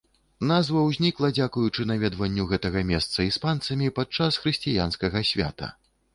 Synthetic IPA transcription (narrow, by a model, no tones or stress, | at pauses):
nazvɐwzʲnʲiklˠɐd͡zʲakujut͡ʂɨnavʲɛd̪vɐnʲːuɣɛt̪ɐɣɐmʲɛst̪sɐispant̪sɐmʲipat̪̚t͡ʂasxɾɨsʲt͡sʲijanskɐɣɐsʲvʲa̰t̪ɐ̰